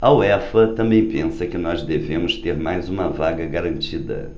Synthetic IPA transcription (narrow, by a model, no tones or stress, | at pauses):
ɐuɛfɐt̪ɐ̃mbẽj̃pẽsɐkɪnɔzd̪evẽmʊst̪eɾmajzũmɐvaɡɐɡaɾɐ̃nt͡ʃid̪ɐ̰